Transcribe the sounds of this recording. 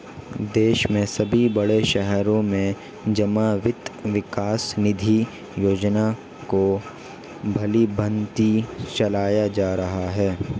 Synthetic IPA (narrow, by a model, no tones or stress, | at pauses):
d̪eːʃmẽsɐbʱibɐɽeʃɛɦɾõmẽ | d͡ʒɐmaːʋɪt̪ʋɪkaːsnɪd̪ʱi | joːd͡ʒna | ko | bʱɐlibɐ̃nt̪it͡ʃɐlaːjad͡ʒaːɾɐɦaɦɛː